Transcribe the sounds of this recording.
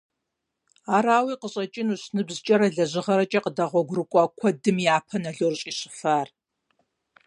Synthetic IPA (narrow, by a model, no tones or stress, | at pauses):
aːɾaːwiːqəɕʼɐt͡ʃʼɪnuɕnɨbzɨt͡ʃʼɐɾɐɮɐʑɪʁɐɾɐt͡ʃʼɐqədɐʁʷɔɡʷrɨkʷʼɔkʷʰɔdɨmjaːpʰɐnɐɮorɕʼiːɕʼɪ̥faːr